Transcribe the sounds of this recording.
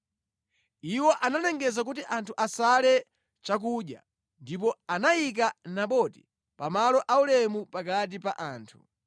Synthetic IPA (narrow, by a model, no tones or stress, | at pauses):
iwɔʔananɛŋɡɛzak̬utiʔantʰuʔasalɛ | t͡ʃak̬uɗja̰ | ndip̬ɔanajik̬anaɓɔti̥ | pamalɔʔaulɛmupakat̬ipaʔaːntʰu